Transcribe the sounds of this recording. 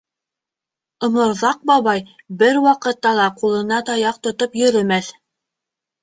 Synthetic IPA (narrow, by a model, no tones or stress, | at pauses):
ɤ̆mɤ̆ɾðɑq̚bɑβɑj | bɘɾwɑqɤ̆t̪ːɑlˠɑqulˠɤ̆nɑt̪ɑjɑq̚t̪ŏt̪opjɵ̆ɾɵ̆mæθ